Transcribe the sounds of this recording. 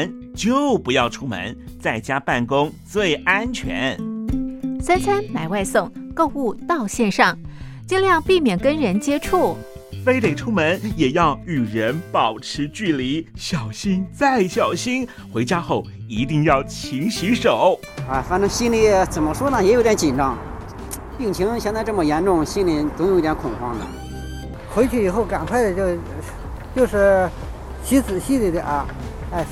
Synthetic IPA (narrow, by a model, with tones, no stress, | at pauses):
n | t͡ɕjo˥˩ʊpu˧˥jɑ˥˩ʊʈ͡ʂʰu˥mə̰˧˥n | t͡sa˥˩ɪt͡ɕja˥pa˥˩nkʊ˥ŋt͡swe˥˩ɪa˥nt͡ɕʰɥɛ̰˧˥n | sa˥nt͡sʰa˥nna˨˧˩ɪwa˥˧ɪsʊ˥˧ŋko˥˧ʊu˥˧t̪ɑ˥˧ʊɕjɛ˥˧nʂɑ˥˩ŋ | t͡ɕi˥˧ŋljɑ˥˧ŋpi˥˩mjɛ˨˩nkə˥nɻə˧˥nt͡ɕjɛ˥ʈ͡ʂʰu˥˩ | fe˥ɪt̪e˨˩ɪʈ͡ʂʰu˥mə˧˥njɛ˨˩jɑ˥˩ʊy˨˩ɻə˧˥npɑ˨˩ʊʈ͡ʂʰɻ̩˧˥t͡ɕy˥˩li˧˥ɕjɑ˨˩ʊɕi˥ŋt͡sa˥˩ɪɕjɑ˨˩ʊɕi˥n | xwe˧˥ɪt͡ɕja˥xo˥˩ʊ | i˧˥t̪i˥˧ŋjɑ˥˩ʊt͡ɕʰi˧˥ŋɕi˧˥ʂo˨˩˦ʊ | a˧˩fa˥˩nʈ͡ʂɤ˥ŋɕi˥nli˥˩t͡sə˨˩nmə˧˦ʂwɔ˥d̪ə˨˩jɛ˧˥jo˧˥˧jɛ˧˥nt͡ɕi˨˩nʈ͡ʂɑ˥˩ŋ | pi˥˩ŋt͡ɕʰi˧˥ŋɕjnt͡sa˥˧ɪʈ͡ʂɤ˥˩mə˩jɛ˧˥nʈ͡ʂʊ˥˧ŋɕi˥nli˧˥˩t͡sʊ˧˥ŋjo˧˥i˥˩jɛ˧˥nkʰʊ˨˩kʰwɑ˥˩ŋd̪ə̰˨˩ | xwe˧˥ɪt͡ɕʰy˥˩i˨˩xo˥˩ʊka˨˩nkʰwa˥˩ɪd̪ə˩t͡ɕo˥˧ʊ | t͡ɕjo˥˧ʊʂɻ̩˥˩ | ɕi˧˥t͡sɹ̩˨˩ɕi˥t͡si˧˩d̪ə˧ʔa˥˩ | a˥˩